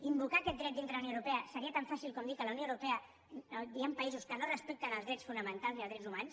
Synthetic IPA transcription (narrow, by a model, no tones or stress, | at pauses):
imbukaːkɛt̪d̪ɾɛt̪̚d̪int̪ɾəðləunowɾupɛəsəɾiət̪aɱfasilˠkomd̪ikələwnioəwɾupɛə | d̪iampəizuskənorəspɛk̚t̪ənəlˠzɾɛsfunəmənt̪alˠziɐlˠɾɛdzumans